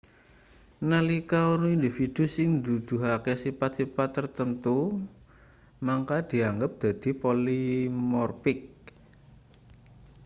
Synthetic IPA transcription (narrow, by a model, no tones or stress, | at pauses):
nalikaonuind̪ifid̪̥ṳsɪŋd̪ud̪̥ṳɦakɛsipat̪̚sipat̪ːərt̪ənt̪u | maŋkad̪̥i̤aŋɡəp̚d̪̥a̤d̪̥i̤polimɔrpɪk̚